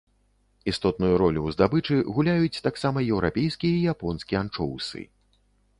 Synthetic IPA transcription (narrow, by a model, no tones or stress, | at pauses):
ist̪ɔt̪̚nujuɾɔlʲuwzd̪abɨt͡ʂɨɣulʲajut͡sʲt̪aksamɐjɛwɾapʲejskʲijɐijapɔnskʲiant͡ʂɔwsɨ̰